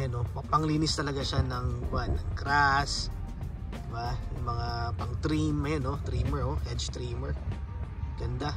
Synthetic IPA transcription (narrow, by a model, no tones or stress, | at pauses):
jonopɐpɐŋliːnɪst̪ɐlɐɡaʃanɐŋɡwanːɐŋkɾas | d̪ɪbajʊŋmɐŋapɐŋt̪ɾimːɐjonot̪ɾiːmɛɹʔohɛd͡ʒt̪ɾiːmɛɹ | ɡ̥ɐnd̪a